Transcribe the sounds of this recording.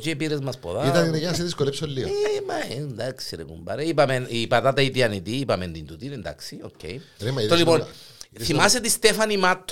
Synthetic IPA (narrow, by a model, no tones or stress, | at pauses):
t͡ʃiepiɾezmɐspoðait̪ɐninejenɐs̬eðiskolepsolːioemɐend̪aksiɾḛkṵmbɐ̰ɾeipɐmenipɐt̪at̪ɐit̪iɐnit̪iːpɐmend̪ind̪ut̪inend̪ɐ̰ksiocːḛjɾemɐt̪olipon | θimɐset̪ist̪efɐnimat̪ʰː